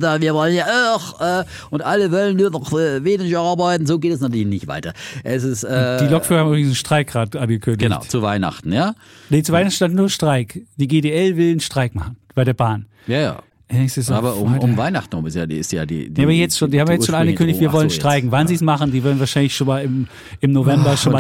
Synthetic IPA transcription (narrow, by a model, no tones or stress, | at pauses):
daviːɐvɔlənjaːxɛː | ʔʊntʔaləvɔlənːuːɐnɔχɛveːnɪçɐaɐbaɪtn̩zoːɡeːtɛsnatʰyːɐlɪçnɪçtv̥a̰ɪtɐʔɛs̬ɪstʔɛd̥iːlɔkfʏʁhamʔybʁɪɡŋsn̩ʃtʁ̥aɪkʁaːtʔanɡəkʰʏndəɪna̰ʊt͡suvaɪna̰χtn̩jaː | net͡suvaɪnan̩ʃtantnuːɐʃtʁ̥aɪkd̥iːɡeːdeːɛlvɪlnʃtʁ̥aɪkmaχn̩b̥aɪɾeːɐbaːn | jaja̰̥ː | ɛŋsuɛsaːbɐʊ̰mʊmvaɪnaχtn̩ʊmɪsja̰ːdɪ̰stja̰ːdḭːneabɐjɛt͡stʃoːndiːhabmvjajɛsʃoːnʔanɡəkʰndɪçtviɐvɔlənʃtʁ̥aɪçŋ̩vanziːsmaχn̩diːvɛɐdən̩vaːɐʃaɪnlɪçʃoːnmaːlɪm | ɪmnovɛmbɐʃoːnnmaː